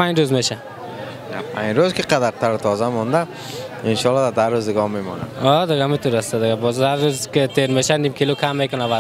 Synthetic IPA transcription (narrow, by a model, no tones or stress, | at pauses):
pand͡ʒɾuzmeʃa | napʰãɲɾozkiqad̪aɾt̪ʰaɾt̪ʰɔzamɔnd̪a | inʃɔlɔd̪ad̪aɾuzd̪ɪɡɔmemɔ̰na̰ɔd̪ɪɡamit̪ʰuɾast̪ad̪ɪɡabɔzhaɾːuzket̪ʰeɾmeʃanimkʰilokʰamːekʊnava